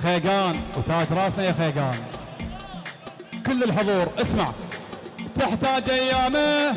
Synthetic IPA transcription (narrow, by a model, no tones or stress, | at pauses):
xeːɡaːnwt̪aːd͡ʒɾˤɑːsnajaxeːɡaːn | kʊlːəlħʊðˤuːɾʔɪsmaʕ | t̪ɪħt̪aːd͡ʒʔajːaːma